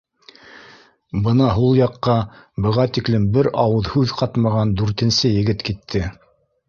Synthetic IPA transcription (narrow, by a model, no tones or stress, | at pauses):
bɤnɑɦulˠjɑqːɑbɤ̆ʁɑt̪iklɘ̆mbɘɾɑwɤðhʉðqɑt̪mɑʁɑnd̪ʉɾt̪ɘ̆nsɘjɘ̆ɡɘt̪kit̪ʰːɘ